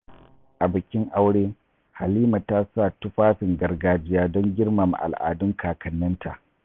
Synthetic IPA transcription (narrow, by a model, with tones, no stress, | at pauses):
ʔa˨bɪ˨kʲɪ˦ŋʔa˦wɽeː˦ | ha˨liː˦ma˨taː˦saː˦˨tʊ˦ɸaː˦ɸɪ˨ŋɡɐ˨rɡaː˨d͡ʒɪ˦jaː˦dɔ˦ŋɡʲɪ˦rma˨m˨ʔa̰˨lʔa̰ː˨dʊ˦ŋkʰaː˨kʰɐ˨nːɐ˦ntʰa̰˨ʔ